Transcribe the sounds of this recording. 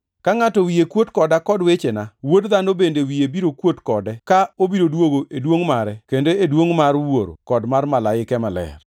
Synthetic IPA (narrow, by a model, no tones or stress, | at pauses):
kaŋatɔwiekwotkɔdakɔdwet͡ʃenawodðanobendewiebiɾokwotkɔdɛkaobiɾodwoɡoʔedwoŋmaɾɛkendoedwoŋmaɾwoɾo̰kɔdmarmalaɪkɛmalɛ̰r